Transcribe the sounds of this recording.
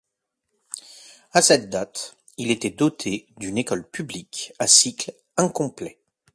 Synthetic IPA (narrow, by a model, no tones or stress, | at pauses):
asɛt̪̚d̪at̪ | ilet̪ɛd̪ɔt̪ʰed̪ynekɔlpyblikasikl | ɛ̃kɔ̃plɛ